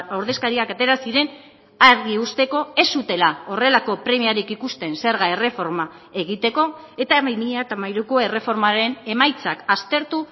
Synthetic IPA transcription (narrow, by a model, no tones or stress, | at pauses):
awɾðe̞skaɾiakat̪e̞ɾasiɾe̞n | aɾɣiust̪e̞ko̞e̞sut̪e̞lao̞re̞lako̞pɾe̞miaɾikikust̪e̞nse̞ɾɣae̞re̞fo̞ɾma | e̞ɣ̞it̪e̞ko̞ | e̞t̪amajmiʎeat̪amajɾuko̞e̞re̞fo̞ɾmaɾe̞ne̞majt͡sakast̪e̞ɾt̪u